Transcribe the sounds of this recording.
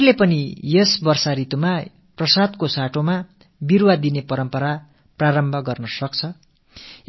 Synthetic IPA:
lepʌnijʌsbʌrsaɾit̪uma | prʌsad̪kosaʈoma | birwad̪inepʌɾʌmpʌɾa | praɾʌmbʱʌɡʌrnʌsʌk̚t͡sʰʌ

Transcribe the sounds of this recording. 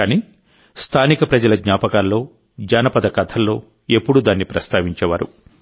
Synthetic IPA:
kaniː | st̪ʰaːnikɐpɾɐd͡ʒɐlɐɡɲaːpɐkaːlːo̞ː | d͡ʒɐːnɐpɐd̪ɐkɐt̪ʰɐlːo̞ː | e̞pːuɽud̪aːnːipɾɐst̪ʰaːʋiɲt͡ʃɛːʋa̰ːɾṵ

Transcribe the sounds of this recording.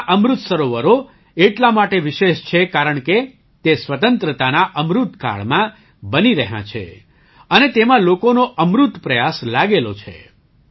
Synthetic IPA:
ʔəmɾut̪səɾoʋəɾo | eʈlamaʈeʋiʃeʃt͡ʃʰekaɾəɳ̃ke | t̪esʋət̪ənt̪ɾət̪anaʔəmɾut̪ka̰ɭmã | bəniɾəɦjã̰t͡ʃʰḛ | ənet̪emãlokonoʔəmɾut̪pɾəjaslaɡelo̰t͡ʃʰḛ

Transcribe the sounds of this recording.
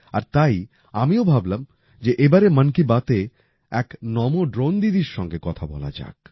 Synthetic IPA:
aɾt̪aj | amiobʱablam | d͡ʑeʔebaɾemənkibat̪e | ɛknɔmoɖɾond̪id̪iɾʃɔŋɡekɔt̪ʰabɔ̰la̰d͡ʑa̰k̚

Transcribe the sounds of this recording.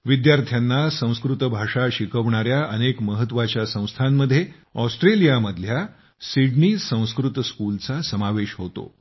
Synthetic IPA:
ʋid̪jaɾt̪ʰjanːasə̃w̃skɾut̪bʱaʂaɕikʰəʋɳ̃aɾjaʔənekməɦət̪ːʋat͡ɕjasə̃w̃st̪ʰamːəd̪ʱːje | ɔsʈɾelijaməd̪ʱlja | siɽniːsə̃w̃skɾut̪skult͡sasəmaʋeɕɦot̪o̰

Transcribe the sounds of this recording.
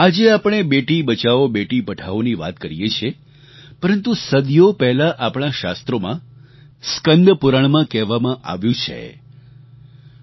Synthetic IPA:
ad͡ʒeapəɳ̃ebeʈibət͡ʃaobeʈipəʈʰaʋoniʋa̰t̪kəɾijet͡ʃʰe | pəɾənt̪usəd̪jopɛɦlaʔapɳ̃aʃa̰st̪ɾomã | skənd̪ʱpuɾəɳmãkɛɦʋamãʔa̰ʋjũt͡ʃʰḛ

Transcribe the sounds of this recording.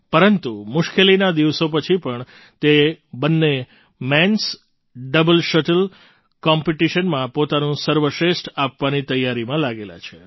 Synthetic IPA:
pəɾənt̪umʊʃkelinad̪iʋsop̬ət͡ʃʰipəɳ | t̪ebənːe | mɛ̃ns | ɖəbəlʃəʈəl | kɔmpiʈiʃənmãpot̪anũsəɾʋəʃɾesʈapʋanit̪əjːaɾimãlaɡela̰t͡ʃʰe

